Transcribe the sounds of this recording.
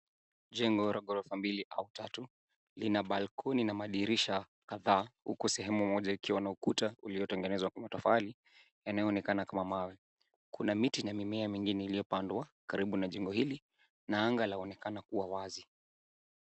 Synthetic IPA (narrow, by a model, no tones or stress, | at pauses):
ʄɛŋɡɔɾɔɠɔɾɔfambiliʔautatu | linaɓalkʰɔninamaɗiɾiʃa | kaðaːhṵkusɛɦɛmumɔʄaikiwanaukutauliɔtɛŋɡɛnɛzwakwamatɔfali | janajɔnɛkanakamamawɛ | kunamitinamimɛamiŋɡinɛilijɔpandwakaɾiɓunaʄɛŋɡɔhili | naaŋɡalaɔnɛkanakuwawazi